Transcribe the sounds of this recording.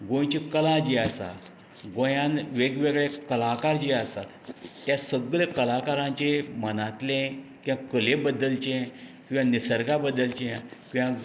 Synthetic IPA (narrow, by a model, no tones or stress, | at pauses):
ɡõjt͡ɕikəlad͡ʑiəsa̰t̪ | ɡojãnʋeɡʋeɡɭekəlakaɾd͡ʑiːəst̪a̰t̪ːjasəɡɭekəlakaɾãɲt͡ɕemənat̪lẽkĩʋãkəlebəd̪ːəlt͡ɕẽt̪ujãnisəɾɡabəd̪ːəlt͡ɕẽkĩʋã